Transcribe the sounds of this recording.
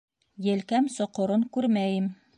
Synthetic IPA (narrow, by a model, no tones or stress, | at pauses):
jɘ̆lkæmsŏqŏɾɤŋkʉɾmæjɘm